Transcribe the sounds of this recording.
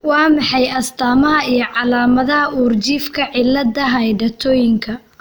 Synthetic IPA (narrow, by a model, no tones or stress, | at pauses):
wɑːmɑħɑjɐst̪ʰaːmɐɦɐijɞʕɑlaːmɐðɐɦɐʔuːrt͡ʃiːfkʰɐʕɪlːɐd̪ɐɦɐjɖɐt̪ʰɔːjɪŋkʰɐ